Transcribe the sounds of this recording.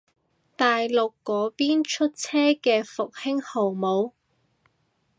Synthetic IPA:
t̪aː˨jlʊ˨kːɔː˨˥piː˥nt͡ʃʰɵ˥t̚t͡sʰɛː˥kɛː˧fʊ˨k̚hɪ˥ŋho˨˩wmo˨˧w

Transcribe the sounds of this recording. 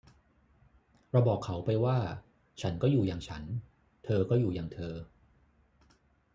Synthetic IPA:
ɾa˧wbɔː˨˩kʰːa˩˦wpa˧jwaː˥˩ | t͡ɕʰa˦˥nkɔː˥˩juː˨˩jaː˨˩ŋt͡ɕʰa˦˥n | t̪ʰɤː˧kɔː˥˩juː˨˩jaː˨˩ŋt̪ʰɤː˧

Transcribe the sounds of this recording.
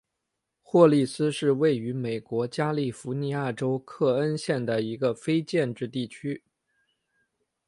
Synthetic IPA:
xwɔ˥˧li˥˩sɹ̩˥ʂɻ̩˥˧we˥˩ɪy˧˥me˨˩ɪkwɔ˧˥t͡ɕja˥li˥˩fu˧˥ni˧˥ja˥˩ʈ͡ʂo˥ʊkʰɤ˥˩ə˥nɕjɛ˥˩nd̪ə˩i˧˥ɡə˧fe˥ɪt͡ɕjɛ˥˧nʈ͡ʂɻ̩˥˧t̪i˥˩t͡ɕʰy˥

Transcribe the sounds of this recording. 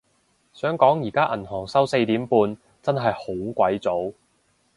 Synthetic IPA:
sœː˨˥ŋkɔː˨˥ŋjiː˨˩kaː˥ʔɐ˨˩nhɔː˨˩ŋsɐ˥wse˧jt̪iː˨˥mpuː˧n | t͡sɐ˥nɦɐ˨jho˨˥wkʷɐ˨˥jt͡so˨˥w

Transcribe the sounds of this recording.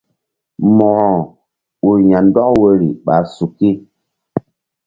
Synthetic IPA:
mɔ˨ɾɔ̃˨ | u˨ja˨n˦dɔ˦kwe˦ɾḭ˨ɓa̰˨su˨ki˦

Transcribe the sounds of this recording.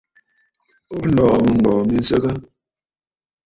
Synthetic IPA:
o˦lɔː˨mə˨ŋ̩˨ɔː˨mi˦n̩˦sə˦ka˦

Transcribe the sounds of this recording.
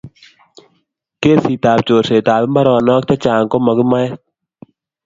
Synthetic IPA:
keː˦˨si˨taː˨p̚t͡ʃoː˨seː˨taː˨bɪ˦mba˦ɾɔː˨nɔː˦kt̪a˦t͡ʃaː˨ŋkɔ˦mɔ˨ɡi˦ma˦jɛ˦

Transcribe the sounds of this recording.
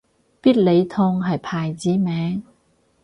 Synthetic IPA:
piː˥t̚le˨˧jt̪ʰɔː˧ŋɦɐ˨jpʰaː˨jt͡siː˨˥mɛː˨˧˥ŋ

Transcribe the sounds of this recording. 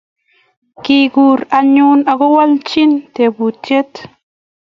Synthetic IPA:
kiɡuɾaɲuna˨ɡɔ˦wa˦lt͡ʃintɛ˨bu˨t͡ʃe˦t

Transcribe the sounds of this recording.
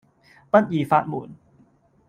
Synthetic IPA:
pa˥t̪̚jiː˨˩faː˧t̪̚mṵː˩˦n

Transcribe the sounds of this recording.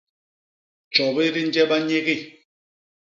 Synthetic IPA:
t͡ʃɔ˨bi˦ɾi˦n˦d͡ʒɛ˦ba˦ɲe˦ɣi˦˨

